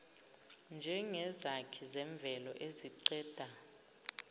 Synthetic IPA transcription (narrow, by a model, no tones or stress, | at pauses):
nd͡ʒʱɛŋɛzakʰizɛɱb̪vʱɛlɔʔeziǀɛːd̥ʱa